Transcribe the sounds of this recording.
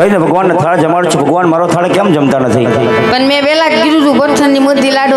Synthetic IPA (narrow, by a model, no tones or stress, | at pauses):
əinebʱəɡʋanːet̪ʰaɭed͡ʒəmaɭt͡ʃʰebʱəɡʋanmaɾot̪ʰaɭekɛ̃md͡ʒəmt̪anət̪ʰi | pənmɛ̃belad͡ʒɡiɾũd͡ʒũbəɾt̪ʰənːimuɾd̪ilaɖ